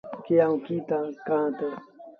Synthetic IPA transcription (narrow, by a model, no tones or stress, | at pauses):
keãũkiːt̪ãkãːt̪e